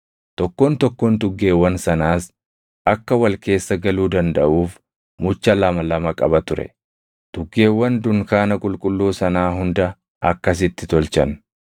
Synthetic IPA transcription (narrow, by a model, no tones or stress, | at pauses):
t̪ɔkːoːnt̪ɔkːoːnt̪ʊɡːe̞ːwːɐnsɐnaːs | ʔɐkːɐwɐlke̞ːsːɐɡɐluːd̪ɐnd̪ɐʔuːf | mʊt͡ʃːɐlɐmɐlɐmɐkʼɐbɐt̪ʊɾɛ̰ | t̪ʊɡːe̞ːwːɐnd̪ʊŋkaːnɐkʼʊlkʼʊlːuːsɐnaːɦʊnd̪ɐ | ʔɐkːɐs̬ɪt̪ːɪt̪ɔlt͡ʃɐn